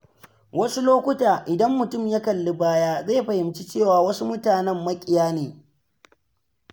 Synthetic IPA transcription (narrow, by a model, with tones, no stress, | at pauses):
wɐ˦su˦loː˦kʷʊ˦taː˨ʔɪ˨dɐ˦mːʊ˨tʊ˦˨mja˦kɐ˨lːe˦baː˦jaː˦zeː˦˨ɸɐ˨hɪ˨mt͡ʃi˦t͡ʃeː˦˨waː˨wɐ˦su˦mʊ˦taː˨nɛ˦mːɐ˦kʲʼɪ˨jaː˦neː˨